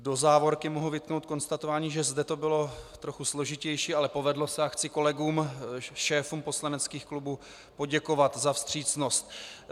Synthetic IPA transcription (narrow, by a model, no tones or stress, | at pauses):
do̞zaːvo̞ɾkɪmoɦʊvɪt̪̚knowt̪ko̞nst̪at̪ovaːɲiːʒɛzdɛt̪o̞bɪlo̞t̪ɾo̞xuslo̞ʒɪcɛjʃiːalɛpo̞vɛdlosɛaxt͡sɪko̞lɛɡuːmʃɛːfuːmpo̞slanɛt͡skiːxklubuː | po̞ɟɛko̞vat̪zafst̪r̝̥iːt͡sno̞st̪